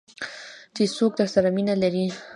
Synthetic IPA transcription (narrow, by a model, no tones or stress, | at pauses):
d̪̥esok̚d̪axsaɾaminalaɾi